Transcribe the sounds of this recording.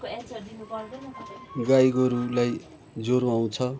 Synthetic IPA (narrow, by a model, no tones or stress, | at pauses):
d̪inup | ɡajɡʌɾulaj | d͡zoɾuaw̃t͡sʰʌ